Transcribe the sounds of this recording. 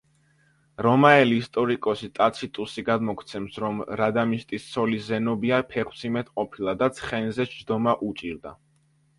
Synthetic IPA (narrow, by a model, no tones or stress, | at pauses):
ɾɔmaɛliːst̪ʼɔɾikʼɔsit̪ʼat̪sʰit̪ʼusiɡad̪mɔkʰt̪sʰɛmsɾɔmɾad̪amiʃt̪ʼissʰɔliszɛnɔbiapʰɛχw̥t̪sʰimɛt̪ʰqʼɔpʰilˠad̪at̪sʰχɛnizɛʃd̪ɔmaʔut͡ʃʼiɾd̪a̰